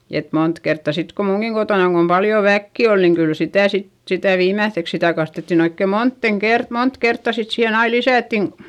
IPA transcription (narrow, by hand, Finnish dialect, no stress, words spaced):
et mont kertːɑ sit ko muŋɡ̊iŋ kotoˑnɑŋ kom pɑljo ʋækːi ol niŋ kyl sitæˑ sit sitæˑ ʋiːmæθːeks sitæ kɑstetːin oikːe montːen kert mont kertːɑ sit siːhen ɑi lisæˑtːin